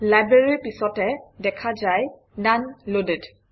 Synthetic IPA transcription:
lajbɹeɹipisɔtɛdɛkʰazaj | nanloded

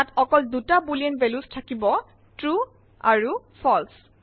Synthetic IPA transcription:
atɔkɔldutabuliɛnbɛlustʰakibɔ | tɹu | aɹu | pʰɔls

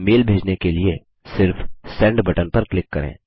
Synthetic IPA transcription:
meːlbʱeːd͡ʒnekelie | sɪɾfsɛ̃ːɳɖbɐʈənpɐɾklɪkːɐɾʔḛ̃ː

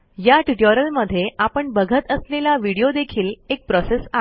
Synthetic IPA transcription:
jaʈiʈəɾəlməd̪ʱːjeʔapəɳbəɡʱət̪əslelaʋiɽijod̪ekʰiːlek̚pɾɔsesa

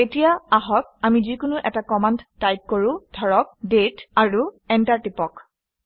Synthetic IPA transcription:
etijaaɦɔk̚amizikʊnʊʔɛtakɔmandːajk̚koɹʊ̃dʱɔɹɔk̚detaɹuɛntaɹtipɔk

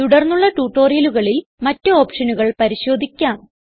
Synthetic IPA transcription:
t̪uɽɐrnːuɭːɐʈuːʈːo̞ːrijɐluɣɐɭilmɐtːɨo̞ːpʂɐnuɣɐɭpɐɾiɕo̞ːd̪ʱikʲːaːm

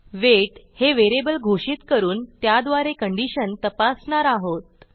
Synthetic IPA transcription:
ʋeʈheʋeɾebəlɡʱoʂiːt̪kəɾuːnt̪jad̪ʋaɾekəɳɖiɕənt̪əpasɳaɾaɦot̪̚

